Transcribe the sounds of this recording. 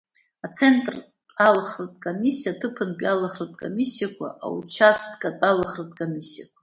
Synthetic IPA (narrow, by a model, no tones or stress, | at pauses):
at͡sʰe̞ntʼr | alχratʼkʼomisijatʰɨpʰɨnpʼjalaχratʼkʼo̰misijakʷʰa̰ʔa̰wut͡ʃʰastʼkʼatʼalaχratʼkʼomʲisijakʷʰa